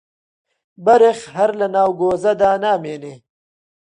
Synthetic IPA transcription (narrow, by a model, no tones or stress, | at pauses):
bɐɾexɦɐɾlɐnaːwɡoːzɐd̪aːnaːmeːne